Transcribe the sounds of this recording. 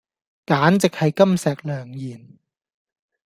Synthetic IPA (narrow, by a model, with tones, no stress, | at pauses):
kaː˨˥nt͡sɪ˨k̚hɐ˨jkɐ˥msɛː˨˩k̚lœː˨˩ŋjiː˨˩n